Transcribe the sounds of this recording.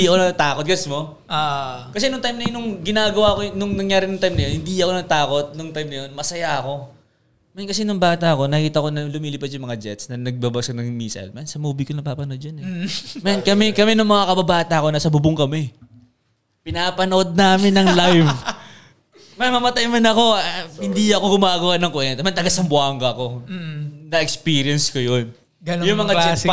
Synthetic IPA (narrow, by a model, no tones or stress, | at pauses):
d̪iʔɐko̞nɐt̪aːkot̪̚ɡɐsmo | kɐs̬ɛnʊŋt̪ajmnɐjonʊŋɡɪnaːɡɐwaɐkonʊŋnɐŋjaːɾɪnʊŋt̪ajmnɐjonhɪnd̪iɐko̞nɐt̪aːko̞t̪̚nʊŋt̪ajmnɐjo̞nmɐsɐjaʔɐko̞ | mɛnkɐsɛnʊŋbaːt̪ɐɐko̞nɐkiːt̪ɐko̞nɐlʊmiːlɪpɐd̪jʊŋmɐŋad͡ʒɛt̪snɐnɐɡ̚babaskonɐŋmiːsɐ̰lmɐnsɐmuːbikonɐpaːpɐnoʔod̪d͡ʒɐnɛmɛnkɐmɛkɐmɛnʊŋmɐŋakɐbɐbaːt̪ɐɐko̞naːsɐbʊbʊŋkɐmɛ | pɪnaːpɐnoʔo̞d̪̚naːmɪnːɐŋlajv | mɐmːɐmɐt̪ajmɐnɐko̞hɪnd̪iɐkoɡʊmaːɡɐwanɐŋkʊʔɛnt̪ɛmɐnt̪ɐɡɐsɐmbʊaːŋɡɐɐko̞ː | ɐʔɛkspiːɾjɐnskojon | ɡɐjʊŋmɐŋad͡ʒɛ